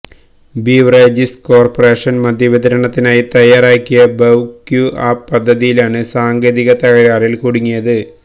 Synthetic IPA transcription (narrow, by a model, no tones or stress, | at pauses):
biːʋred͡ʑisʈko̞ːrpɐre̞ːʂɐnmɐd̪ʱjɐʋid̪ʱɐɾɐɳɐt̪ːinaːjit̪ɐjaːɾaːkʲːijɐbɐwkjuʔaːpːɐd̪ʱːɐðijilaːɳɨsaːŋɡeːðiɣɐt̪ɐɣɐɾaːrilkuɽiŋːijɐðɨ